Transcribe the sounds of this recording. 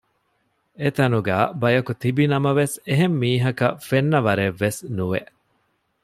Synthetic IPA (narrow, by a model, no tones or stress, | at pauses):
et̪ɐnuɡæːbɐjɐkut̪ibinɐmɐʋeseɦemːiːɦɐkɐfenːɐʋɐɾeʋːesnuʋeʔ